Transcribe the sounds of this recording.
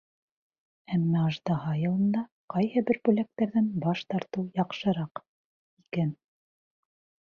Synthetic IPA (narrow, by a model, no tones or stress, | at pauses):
æmːæɑʒd̪ɑɦɑjɤ̆lˠɤ̆nd̪ɑ | qɑjhɤbɘɾbʉlæk̚t̪æɾðænbɑʃt̪ɑɾt̪ɤwjɑqʃɤ̆ɾɑq | ikæn